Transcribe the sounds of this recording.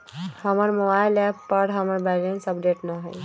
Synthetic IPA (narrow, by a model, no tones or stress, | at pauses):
həməɾmobaɪlɛppəɾɦəməɾbaɪlensəbɖeʈnəɦoj